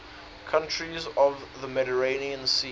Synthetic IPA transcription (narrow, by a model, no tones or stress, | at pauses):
kʰãnt͡ʃɹ̥izɔvðəmɛɾəɹẽɪniə̃nsi